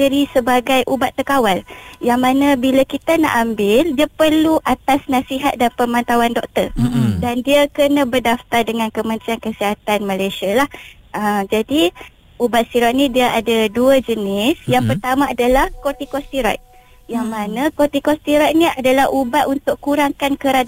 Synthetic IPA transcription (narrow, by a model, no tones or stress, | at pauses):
əɾisəbaɡajʔubat̪ːəkawaljaŋmanãbilakit̪ana̰ʔambɪldiapərluʔat̪asnasiɦat̪̚danpəmãnt̪awandɔk̚t̪ərdandiakənãbərdaft̪ardəŋãnkəmə̃nt̪ɾiankəsiɦat̪anmalajsialah | əmd͡ʒadi | ubat̪̚siɾat̪̚nĩdiaʔadaduəd͡ʒənɪsjaŋpərt̪amãadalahkot̪ikɔst̪iɾa̰t̪̚ | jaŋmanãkot̪ikɔst̪iɾɔt̪̚niadalahʔubat̪unt̪ʊkkuɾaŋkankəɾa